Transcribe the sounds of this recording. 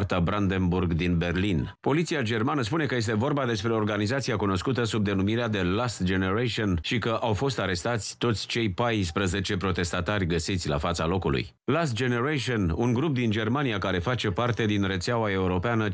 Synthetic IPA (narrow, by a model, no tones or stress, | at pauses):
rt̪abɾand̪e̞nburɡd̪inbe̞rlin | po̞lit̪siad͡ʒe̞rmanəs̬pune̞kəje̞s̬t̪e̞vo̞rbad̪e̞spɾe̞o̞rɡanizat̪siakuno̞skut̪əsub̚d̪e̞numiɾead̪e̞last̪d͡ʒe̞ne̞ɾaʃionʃikəʔawfo̞st̪aɾe̞st̪at̪sʲt̪o̞t̪sʲt͡ʃe̞jpajspɾəze̞t͡ʃe̞pɾo̞t̪e̞st̪at̪arʲɡəsit̪sʲla̰fat̪salo̞kulṵj | last̪̚d͡ʒe̞ne̞ɾaʃionuŋɡɾup̚d̪ind͡ʒe̞rmaniakaɾe̞fat͡ʃe̞part̪e̞d̪inre̞t̪seawae̞uɾo̞peanə